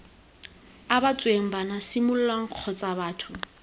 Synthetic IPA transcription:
abat͡sʼweŋ̩banasɪmʊlʊlaŋ̩q͡χʰɔt͡sʼabaːtʰʊ

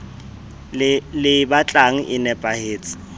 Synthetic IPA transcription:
lɪbat͡ɬʼaŋ̩ʔɪnɛpʼaheːt͡sʼɪ̥

